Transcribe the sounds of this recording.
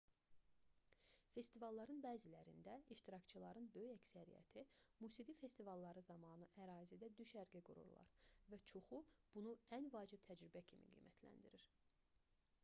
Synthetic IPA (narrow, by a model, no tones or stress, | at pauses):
fe̞st̪ivɑlˠːɑɾɯnbæːzilæɾind̪æiʃt̪iɾɑkt͡ʃʰɯlˠɑɾɯnbø̞jyjæksæɾḭjæ̰t̪ʰimuːsiɡife̞st̪ivɑlˠːɑɾɯzɑmɑːnɯʔæɾɑːzid̪æd̪yʃæɾɡiɡuɾṵɾlˠɑ̰ɾvæt͡ʃʰoxub̥unuænvɑːd͡ʒib̥̚t̪ʰæd͡ʒɾibæcʰimḭɡḭːmæt̪ʰlæ̰nd̪iɾiɾ̥